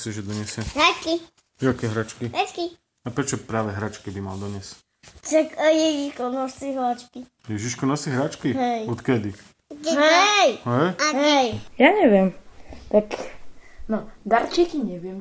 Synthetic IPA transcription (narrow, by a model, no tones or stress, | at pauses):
siʒɛd̪ɔɲɛsɪɛɦɾat͡ʃki | akɛɦɾat͡ʃkiɛt͡ʃki | apɾɛt͡ʃɔpɾaːʋɛɦɾat͡ʃkibima̰ld̪ɔɲɛs | t͡ʃakajɛʒiʃkɔnɔsiɦlat͡ʃki | jɛʒiʃkɔnɔsiɦɾat͡ʃkiɦɛjɔt̪kɛd̪i | ɦɛjɦɛjaɦjjaɲɛʋjɛmt̪ak | nɔd̪aɾt͡ʃikiɲɛʋɪɛm